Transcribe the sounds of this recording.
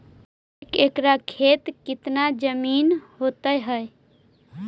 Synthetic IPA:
ekekɾakʰet̪kit̪nad͡ʒəminhot̪əjɦəj

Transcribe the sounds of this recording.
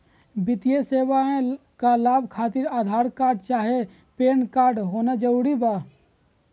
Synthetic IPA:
bɪt̪ijeseːʋaẽkalaːbkʰaːt̪ɪɾaːd̪ʱaːɾkaːɾɖt͡ʃaːɦe | peːnkaːɾɖɦoːnad͡ʒəɾuːɽibaː

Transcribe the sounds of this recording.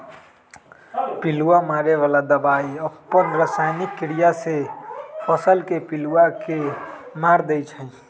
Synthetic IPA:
piluamaɾeʋalad̪əbaiəpːənɾəsaɪnikːiɽijasepʰəsəlkepiluakemaɾd̪ɛjt͡ʃʰə̃i

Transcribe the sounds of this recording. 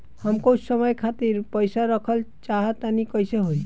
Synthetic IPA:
həmkowsəməjkʰat̪iɾpəjsaɾəkʰəlt͡ʃaɦət̪anikʌjseɦoj

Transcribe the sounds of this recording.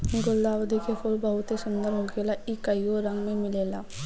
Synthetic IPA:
ɡʊld̪aːwd̪ʱikexoːɾbəɦʊt̪ɦesʊ̃nd̪əɾɦoɡelaʔikɐioɾɐ̃ŋɡmẽmɪleːlaː

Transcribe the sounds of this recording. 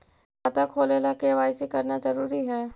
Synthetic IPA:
at̪akʰoːleːlakeʋaːɪsikɐɾnazɐɾuːɾiɦɛː

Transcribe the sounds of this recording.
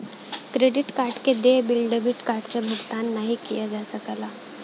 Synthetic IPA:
kɾeːɖɪʈkaːɾʈked̪ebɪlɖebɪʈkaːɾʈsebʱʊɡt̪aːnːəɦikijad͡ʒaːsɐkəlaː

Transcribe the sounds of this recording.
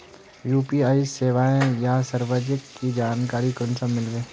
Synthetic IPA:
juːpiaːiseːʋaːẽjasɐɾʋəd͡ʒəkːid͡ʒaːnkaːɾikənsamɪlɡeː

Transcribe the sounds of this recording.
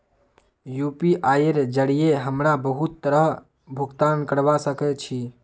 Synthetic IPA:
jupiʔaːjeɾd͡ʒəɽijeɦəmɾabəɦut̪ːəɾəɦ | bʱuɡt̪aːnkəɽbasəkɛt͡ʃʰi

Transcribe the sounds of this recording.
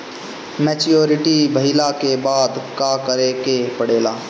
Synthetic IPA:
meːt͡ʃijoːɾɪʈibəɦɪlakebaːd̪kaːkəɾekepəɽeːlaː

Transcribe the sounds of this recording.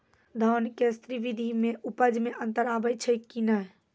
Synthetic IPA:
d̪ʱənkest̪ɾiʋid̪ʱimeʔupəd͡ʒmeʔənt̪əɾabəjt͡ʃʰəkinəɦ

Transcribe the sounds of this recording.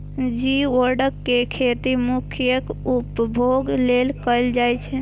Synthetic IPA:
d͡ʒiəɾɖəkːekʰet̪imukʰjəkupbʱoɡlelkəjld͡ʒajt͡ʃʰɛ

